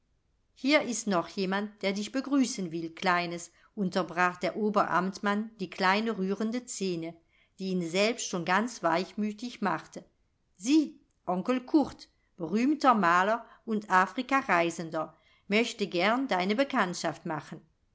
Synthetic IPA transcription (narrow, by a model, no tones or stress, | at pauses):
hiːɐɪstnɔχjeːmant̚d̥eːɐdɪçb̥əɡʁyːsənvɪlklaɪnəs | ʔʊntɐbʁaːχd̥eːɐʔoːbɐʔa̰mtmand̥iːkʰlaɪnəʁyːʁəndət͡seːnə | d̥iːiːnzɛlpstʃoːnɡant͡sv̥aɪçmyːtɪçmaχtə | ziː | ʔɔŋkəl̩kʰʊʁt | b̥əʁyːmtɐmaːlɐʔʊntʔaːfʁ̥ikaʁaɪzəndɐ | mœçtəɡɛɐndaɪnəbəkʰantʃaftmaχən